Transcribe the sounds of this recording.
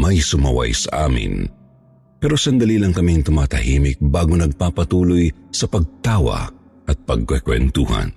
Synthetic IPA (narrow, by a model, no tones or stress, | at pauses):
mɐjsʊmɐ̰wɐ̰jsɐ̰ʔa̰ːmɪ̰n | pɛːɾo̞sɐnd̪ɐliːlɐŋkɐmiŋt̪ʊmaːt̪ɐhiːmɪk̚baːɡonɐɡ̚paːpɐt̪uːlojsɐpɐɡ̚t̪aːwɐ̰ | ʔɐt̪̚pɐɡ̚kwɛkwɛ̰nt̪uːhɐ̰n